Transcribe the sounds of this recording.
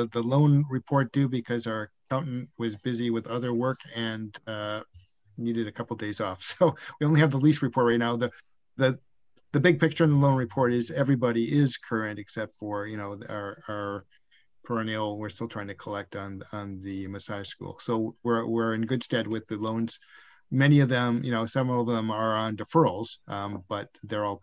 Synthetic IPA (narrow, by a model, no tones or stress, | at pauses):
ðəlõʊ̃nɹɨpʰɔɹt̚d̥ɨbɨkʰʌzaə˞kʰãʊ̃nn̩ʔwʌzbɪziwɨðʌðə˞wɜ˞kʰɨ̃nʌ | niɾɨɾɨkʰʌpl̩ˠvdeɪzɔfsoʊwiõʊ̃nliɨvðəlist̚ɹɨpʰɔɹt̚ɹaɪtⁿnaʊðɨ | ðɨ | ðɨbɪɡ̚pʰɪk̚t͡ʃə˞ɨ̃nðəlõʊ̃nɹɨpʰɔɹɾɪzɛvɹibɑɾiɪz̥kʰɜ˞ɨ̃ntɨksɛp̚tfə˞jɨnoʊə | pʰə˞ɨnil̩ˠwɪɹstɪlˠtʰɹ̥aɪɪ̃ŋtʰɨkʰəlɛk̚tn̩n̩ðɨmɨsaɪskṵlˠsoʊwɪɹwɪɹɨ̃nɡʊd̥stɛd̚wɨðɨlõʊ̃nz̥ | mɛñiʌvðɨ̃mjɨnoʊsɛvɹl̩ˠʌvðə̃mə˞ə̃ndɨfɜ˞l̩ˠz̥ʔʌ̃b̥ʌt̪̚ðə˞ɔlˠ